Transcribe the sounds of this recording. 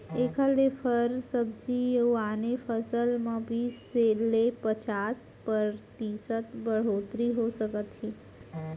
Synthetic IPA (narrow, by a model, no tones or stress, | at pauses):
ekʰalefʰəɾsəb̚d͡ʒijuanefəsəlmə̃bʱiselepət͡ʃas | pəɾt̪isət̪bəɽ̤ot̪ɾiɦosəkət̪t͡ʃĩ